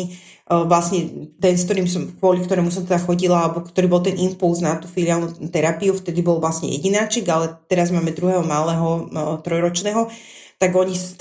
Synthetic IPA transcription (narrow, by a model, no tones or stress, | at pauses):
i | ʋlasɲɛt̪ɛnsk̚t̪ɔɾiːmsɔmkʋʊɔlikt̪ɔɾɛːmus̬ɔmt̪ɛd̪axɔɟilaalɛbɔkt̪ɔɾiːbɔlˠt̪ɛnimpulznat̪uːfilɪaːlnut̪ɛɾapiuft̪ɛd̪ibɔlʋlasɲɛ̰jɛ̰ɟinaːt͡ʃiɡalɛt̪ɛɾazmaːmɛd̪ɾuɦɛːɦɔmalɛːɦɔt̪ɾɔjɾɔt͡ʃnɛːɦɔ | t̪aɡɔɲis